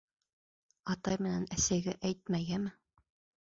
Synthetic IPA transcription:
ɑt̪ɑjmɘ̆nænæsæɡæʔæjt̪̚mæjæmɘ

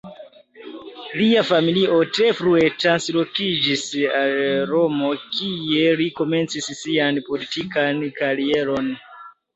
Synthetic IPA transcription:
liafamiliʔo̞te̞fɾue̞tɾanslo̞kid͡ʒisalɾo̞mo̞kʰie̞liko̞me̞nt͡sissianpo̞litikankaɾie̞ɾo̞n

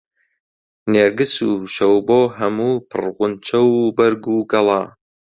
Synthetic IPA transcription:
neːɾɡɨsuːʃɐwboːɦɐmuːpʰɨ̰rʁʊnt͡ʃʰɐwbɐɾɡuːɡɐlˠɑː

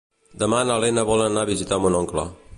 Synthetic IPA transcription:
d̪əmanalenəβɔlənaβizit̪amunɔŋklə̰

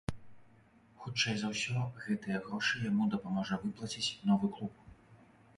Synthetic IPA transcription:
xut͡ʂɛjzɐwsʲɔɣɛt̪ɨjɐɣɾɔʂɨjamud̪ɐpamɔʐɐvɨplˠɐt͡sʲit͡sʲnɔvɨklˠup̚

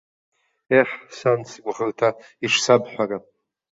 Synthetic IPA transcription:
eħsant͡sʰkʷʼʁəltʰaiʂsabħʷᶣara

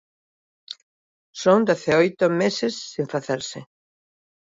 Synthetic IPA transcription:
sõŋd̪eθeojt̪omesɪsːĩɱfaθeɾsɪ

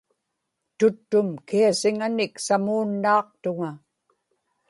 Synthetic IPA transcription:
t̪ʊt̪ːʊmkiasɪŋanɪksamuːnːɑːq̚t̪ʊŋa

